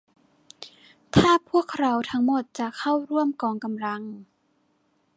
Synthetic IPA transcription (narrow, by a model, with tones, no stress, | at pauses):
t̪ʰaː˥˩pʰu˥˩əkʰɾa˧˥wt̪ʰa˦˥ŋmo˨˩t̪̚t͡ɕa˨˩kʰa˥˩wɾu˥˩əmkɔː˨˩ŋka˧mla˧˥ŋ